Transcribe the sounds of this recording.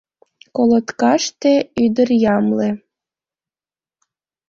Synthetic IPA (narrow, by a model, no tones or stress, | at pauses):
kolot̪kɑʃt̪ĕyd̪ərjɑmle